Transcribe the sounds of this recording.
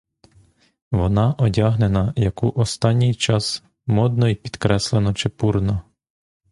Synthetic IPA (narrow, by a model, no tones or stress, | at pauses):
ʋɔnɑʔɔdʲɑɦnenɐjɐkuʔɔst̪ɑnʲːijt͡ʃɑs | mɔd̪̚nɔipʲi̥d̪̥kɾɛslˠenɔt͡ʃɪpurnɔ